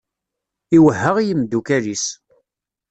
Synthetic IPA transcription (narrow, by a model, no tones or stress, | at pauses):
iwəɦːəʁijimd̪ukælis